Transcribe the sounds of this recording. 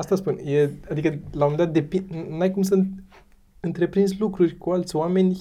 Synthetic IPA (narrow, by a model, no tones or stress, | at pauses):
ast̪aspunjead̪ikəlawunnd̪at̪̚d̪e̞pinajkums̬unt̪̚ | ɨnt̪ɾe̞pɾinslukɾurʲkualt̪sʲowame̞nʲ